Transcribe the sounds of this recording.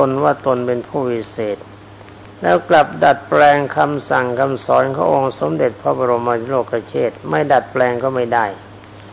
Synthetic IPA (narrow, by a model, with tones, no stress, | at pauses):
o˧nwaː˥˩t̪o˧npe˧npʰuː˥˩wi˦˥seː˨˩t̪̚ | lɛː˦˥wkla˨˩p̚da˨˩t̪̚plɛː˧ŋkʰa˧msa˨˩ŋkʰa˧msɔː˩˦˥nkʰa̰ː˧˥˩ʔo˧ŋso˨˦mde˨˩t̪̚pʰɔ˧˥bɔː˧ɾo˧mːa˧˦loː˥˩kːa˧t͡ɕʰeː˥˩t̪̚ma˥˩jda˨˩t̪̚plɛː˧ŋkɔː˥˩ma˥˩jda˥˩j